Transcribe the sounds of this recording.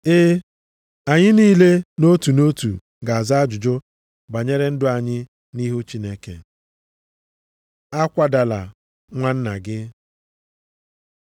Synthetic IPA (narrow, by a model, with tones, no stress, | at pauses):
ɪ˦ | a˨ɲɪ˦niː˦le˦no˦tu˨no˦tṵ˨ | ɡa˨a˨za˦a˦d͡ʒʊ˨d͡ʒʊ˦ | ba˨ɲe˦ɾe˦n̩˦dʊ˦a˨ɲɪ˦ | ni˦ɦu˦t͡ʃi˦ne˦kḛ˨ | a˦kʷa˦da˨la̰˨ | ŋʷa˦n̩˦na˨ɡɪ˦